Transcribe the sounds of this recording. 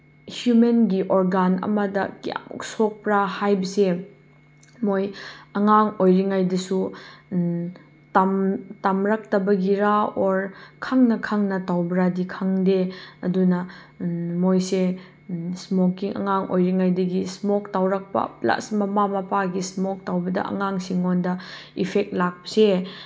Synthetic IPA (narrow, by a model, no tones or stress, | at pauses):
hjumenɡiʔoɾɡanɐ̰mɐdɐka̰msok̚pɾahajbɐse | mojɐŋaŋojɾiŋajdɐsu | tamtamɾak̚tɐbɐɡiɾaoɾkʰaŋnɐkʰaŋnɐtawbɾadikʰaŋdeɐdunɐ | mojse | smokːiŋʔɐ̰ŋaŋʔo̰jɾiŋajdɐɡismoktawɾak̚pɐ̰pla̰smɐmamɐpaɡismɔk̚tawbɐdɐ̰ɐ̰ŋaŋsiŋondɐipʰek̚t̚lak̚pɐse